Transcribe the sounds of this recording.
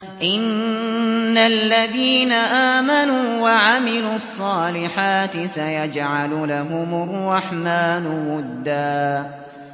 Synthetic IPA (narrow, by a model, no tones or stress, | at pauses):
ʔɪnː | alːaðiːnaʔaːmanuːwaʕamɪluːɑsˤːɑːlɪħaːt̪ɪsajad͡ʒʕalʊlaɦʊmɑrˤːɑħmaːnʊwʊd̪ːaː